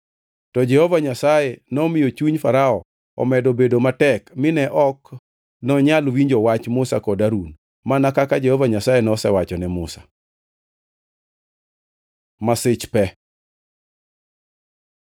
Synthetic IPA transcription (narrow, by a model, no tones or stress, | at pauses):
tɔd͡ʒɛhɔvaɲasajɛnɔmɪjot͡ʃuɲfaɾaɔ | ɔ̰mɛdɔbedomatɛkmɪnɛʔɔk | nɔɲalwiɲd͡ʒɔwat͡ʃmʊsa̰kɔdaɾun | manakakad͡ʒɛhɔvaɲasajɛnɔsɛwat͡ʃɔnɛmʊsḁ̰ | masɪt͡ʃpɛ